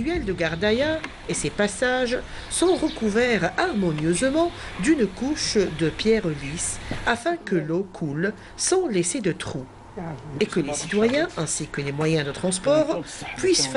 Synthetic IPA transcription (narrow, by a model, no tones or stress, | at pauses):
ɥɛld̪əɡaʁd̪aja | esepasaʒ | sɔ̃ʁəkuvɛʁaʁmɔnjøzmɑ̃d̪ynkuʃd̪əpjɛʁlisafɛ̃kəlokʰul | sɑ̃lesed̪ət̪χu | ekəlesit̪wajɛ̃ɛ̃sikəlemwajɛ̃d̪ət̪χɑ̃spɔʁpɥis